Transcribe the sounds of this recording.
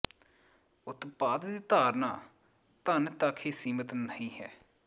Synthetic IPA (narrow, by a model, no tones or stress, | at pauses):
ʊt̪paːd̪d̪iːt̪aːɾnã̰ː | t̪ənt̪akʰiːsiːmət̪nəɦĩːɦɛː